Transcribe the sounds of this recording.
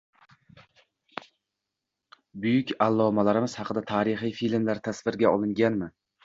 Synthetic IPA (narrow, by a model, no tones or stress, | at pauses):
bʊjʊkʲalˠːɒmalaɾɪmɪz̥hɑqɨd̪at̪ʰaːɾɪχijfilmlaɾt̪ʰasvɪɾɡʲaɒlˠɪŋɡʲanmɪ